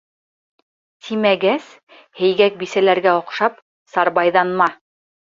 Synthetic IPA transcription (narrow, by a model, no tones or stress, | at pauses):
t̪imæɡæs | hɘ̆jɡæk̚bisælæɾɡæŏqʃɑp̚ | sɑɾβɑjðɑnmɑ